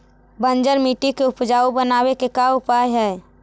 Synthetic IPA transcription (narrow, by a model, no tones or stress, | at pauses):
bə̃nd͡ʒəɾmiːʈikeʊpd͡ʒaːubənaːwekekaʊpaːjɦɛː